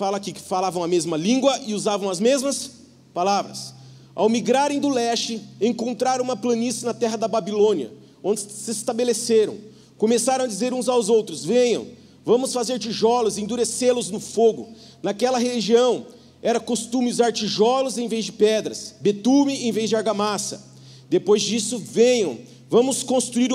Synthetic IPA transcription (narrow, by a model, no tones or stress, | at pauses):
falɐakikɪ̥falavɐ̃w̃ɐmezmɐlĩŋɡwɐʔɪuzavɐ̃w̃ɐzmezmɐs | palavɾɐs | a̰wmiɡɾaɾẽj̃d̪ʊlɛst͡ʃɪẽŋkõnt̪ɾaɾɐ̃ũmɐplɐ̃nisɪnɐt̪ɛɦɐd̪ɐbabilõniɐ̰ | õnd͡ʒɪsɪɪst̪abeleseɾɐ̰̃w̃ | komesaɾɐ̃w̃ad͡ʒizeɾũzawzowt̪ɾʊzvẽjɲɐ̰̃w̃ | vɐ̃mʊsfazeɾt͡ʃiʒɔlʊzɪẽd̪uɾeselʊznʊfoɡʊ | nakɛlɐɦeliʒiɐ̃w̃ | ɛɾɐkost̪ũmɪʊzaɾt͡ʃiʒɔlʊzẽj̃vezd͡ʒɪpɛd̪ɾɐsbet̪ũmɪẽvezd͡ʒɪaɾɡamasɐ̰ | d̪epojzd͡ʒisʊvẽɲɐ̃w̃ | vɐ̃mʊskõst̪ɾuiɾ